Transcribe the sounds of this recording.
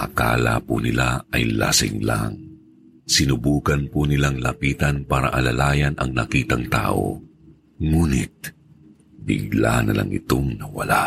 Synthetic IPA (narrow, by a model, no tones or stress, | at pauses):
ʔɐkaːla̰punɪlaɐjlasɪ̰ŋlaŋ | sɪnʊbuːkɐnpunɪlaŋlɐpiːt̪ɐnpaːɾɐʔɐlɐlaːjɐnɐŋnɐkiːt̪ɐŋt̪a̰ːʔo̰ | ŋuːnɪt̪̚ | bɪɡlanɐlaŋʔɪt̪oŋnɐwɐla